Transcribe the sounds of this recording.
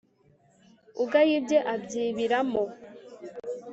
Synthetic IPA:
uɡajibjeʔabɟiːβiɾamo

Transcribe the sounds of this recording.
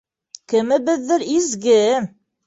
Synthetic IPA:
kɘ̆mɘ̆bɘðːɘɾizɡɘ

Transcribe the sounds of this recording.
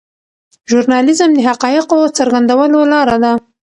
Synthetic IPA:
ʒuɾnɑlɪzəmd̪əɦaqɑjɪqot͡səɾɡand̪awəlolɑɾad̪a

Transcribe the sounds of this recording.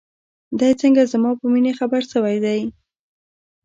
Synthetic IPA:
d̪ajt͡səŋɡazmɑpəminexabaɾsəwajd̪aj

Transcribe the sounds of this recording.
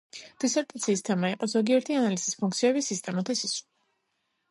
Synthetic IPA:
d̪̥isɛɾt̪ʼat̪sʰiːst̪ʰɛmaiqʼɔzɔɡiɛɾt̪ʰianalisispʰuŋkt̪sʰiɛbisist̪ʼɛmat̪ʰɛsis

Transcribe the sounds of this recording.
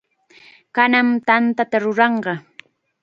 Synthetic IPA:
kanamt̪ant̪at̪aɾʊɾɑɴɢɑ

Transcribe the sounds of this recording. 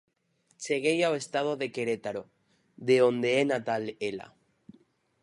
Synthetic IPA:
t͡ʃeɣ̞ejawest̪að̞oðekeɾet̪aɾo | ðeond̪eenat̪alela̰

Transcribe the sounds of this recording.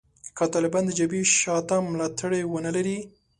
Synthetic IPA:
kat̪ɑlɪbɑnd̪əd͡ʒabiʃɑt̪amlɑt̪ʰaɽewənalaɾi

